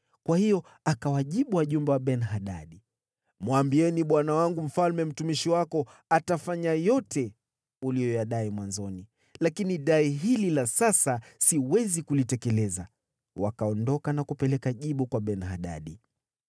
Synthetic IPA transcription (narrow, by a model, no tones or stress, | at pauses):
kwahijɔ | akawaʄiɓuwaʄumbɛwaɓɛnɦaɗa̰ɗi | mwambiɛniɓwanawaŋɡum̩falmɛm̩tumiʃiwakɔ | atafaɲajɔtʰɛ | ulijɔjaɗaimwanzɔni | lakiniɗaiɦililasasasiwɛzikulitɛkɛlɛza | wakaɔndɔkanakupɛlɛkaʄiɓukwaɓɛnhaɗa̰ɗi